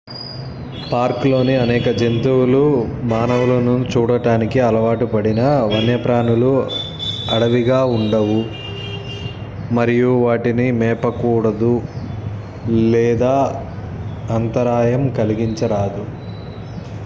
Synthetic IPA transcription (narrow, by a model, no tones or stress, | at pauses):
paːɾklo̞ːniɐnɛːkɐd͡ʒent̪uwulumaːnɐʋulɐnunt͡ʃuːɽɐʈaːnikiɐlɐʋaːʈupɐɽinɐʋɐnjɐpɾaːɳulu | ɐɽɐʋiɡaːuɳɖɐʋu | mɐɾijuʋaːʈinimɛːpɐkuːɽɐd̪u | lɛːd̪aː | ɐnt̪ɐɾaːjɐmkɐliɡiɲt͡ʃɐɾaːd̪u